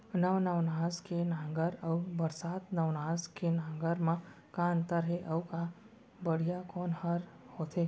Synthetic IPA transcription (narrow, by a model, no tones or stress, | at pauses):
nəʋnəʋnazkenãŋɡəɾəʋəɾsat̪nəʋnaskʰenãŋɡəɾmã | kãnt̪əɾɦeʔəʋka | bəɽ̤ijakɔnhəɾhot̪ʰe